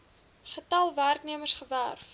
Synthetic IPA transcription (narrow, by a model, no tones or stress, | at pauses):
χətɐlˠværkniəmərsχəværf